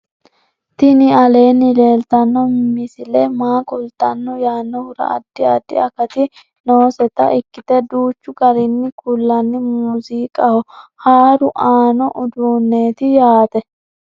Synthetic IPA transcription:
t̪ɪnɪɐle̞ːnːɪle̞ːlt̪ɐnːɔmmɪsɪlɛmaːkʼʊlt̪ːɐnːɔjaːnːɔhʊɾɐ̰ʔɐ̰d̪̥ːɪɐd̪ːɪɐkɐt̪ɪ | noːsɛt̪ɐ̰ʔɪkːɪt̪ɛd̪uːt͡ʃːʊɡɐɾɪnːɪkulːɐnːɪmuːziːkʼɐhɔhaːɾʊʔaːnɔʔʊd̪uːnːeːt̪ɪjaːt̪ɛ

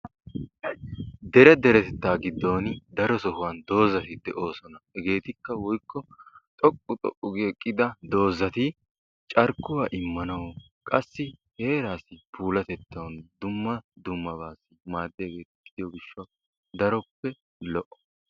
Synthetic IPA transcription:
d̪ɛɾɛd̪ɛɾɛt̪ɛt̪ːaːɡɪd̪ːo̞ːnd̪ɐɾɔsɔhʊwɐnd̪o̞ːzɐt̪ɪd̪ɛʔo̞ːsɔnɐhɛɡe̞ːt̪ɪkːɐwɔjkːɔt̪ʼɔkʼːʊt̪ʼɔ̰ʔʼʊɡekʼːɪd̪ɐd̪o̞ːzɐt̪ɪ | t͡ʃʼɐɾkːʊwaːʔɪmːɐnɐwɔ | kʼɐsːɪhe̞ːɾaːsɪpuːlɐt̪ɛt̪ːɐwnd̪ʊmːɐd̪ʊmːɐbaːsːɪmaːd̪ːɪjɐɡeːt̪kːɪd̪ɪjɔɡɪʃːɐ | d̪ɐɾɔpːɛ | lɔʔɔ̥

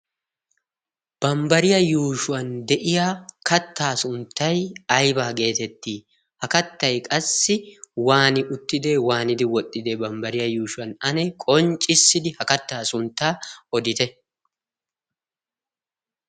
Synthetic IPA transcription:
b̥ɐmbɐɾɪjɐjuːʃʊwɐnd̪ɛʔɪjaːkɐt̪ːaːsʊnt̪ːɐjɐjbaːɡe̞ːt̪ɛt̪ːiː | hɐkɐt̪ːɐjkʼɐsːɪwaːnɪʔʊt̪ːɪd̪e̞ːwaːnɪd̪ɪwɔt̪ʼːɪd̪eːbɐmbɐɾɪjɐjuːʃʊwɐnɐnɛkʼɔnt͡ʃʼɪsːɪd̪ɪhɐkɐt̪ːaːsʊnt̪ːaːɔd̪ɪt̪ɛ

